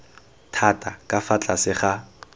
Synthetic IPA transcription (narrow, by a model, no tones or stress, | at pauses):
tʰatʼakʼafat͡ɬʼasɪχa